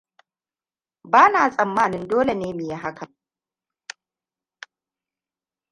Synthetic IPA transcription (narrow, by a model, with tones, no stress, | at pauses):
baː˦naː˨sʼɐ˨mːaː˦nɪ˦ndoː˦le˨neː˦mi˨ja˦ɦa˦kʰɐ˨m